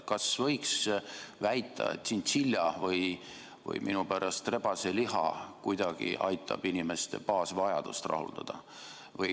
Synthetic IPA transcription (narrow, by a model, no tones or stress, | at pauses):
kɑsvɤjksvæjt̪ʰːˑɑ̰ḛt̪ːsindt̪silʲjɑvɤj | vɤ̰jminupæɾɑst̪re̞bɑseliɦɑ̰kujd̪̥ɑɡ̥ḭʔɑjt̪ʰˑːɑ̰b̥inʲime̞st̪e̞̰pɑːsvɑjɑd̪̥ust̪rɑ̰ɦṵld̪̥ɑd̪̥ɑ | vɤj